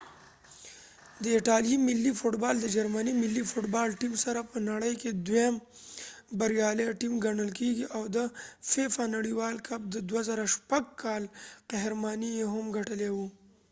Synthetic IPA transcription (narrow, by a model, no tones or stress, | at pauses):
d̪əɪʈɑljimɪlːifʊʈbɑld̪əd͡ʒaɾmanimɪlːifʊʈbɑlʈimsaɾapənaɽəjked̪wem | baɾjɑleʈimɡaɳəlkeɡiʔawd̪əfefanaɽiwɑlkab̚d̪əd̪wazaɾaʃpaɡ̚kʰɑlqaɦɾmɑnijeɦamɡaʈəlewu